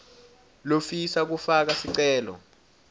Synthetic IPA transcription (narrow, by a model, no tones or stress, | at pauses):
lofisak̬ufak̬asiǀɛːlɔ̰